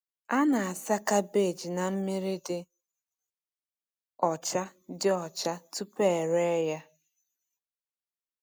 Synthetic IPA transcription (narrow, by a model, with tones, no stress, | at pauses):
a˦na˨a˨sa˦ka˦be˦˨d͡ʒi˨na˨m̩˦mi˦ɾɪ˦dɪ˦ | ɔ˨t͡ʃa˦dɪ˦ɔ˨t͡ʃa˦tu˦pe˦˨ɾe˦ja˦